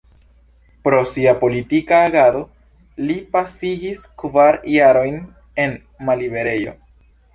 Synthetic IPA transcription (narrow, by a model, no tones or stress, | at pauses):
pɾo̞siapo̞litikaːɡado̞ | lipasiɡiskvaɾjaɾo̞jn | e̞n | malibe̞ɾe̞jo̞̰